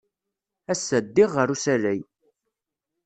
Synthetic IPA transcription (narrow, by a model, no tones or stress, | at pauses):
æsːæd̪ːɪʁːəɾusælæj